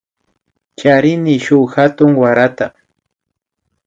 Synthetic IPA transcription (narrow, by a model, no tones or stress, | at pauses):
t͡ʃaɾɪnɪʃʊxat̪ʊŋwaɾat̪a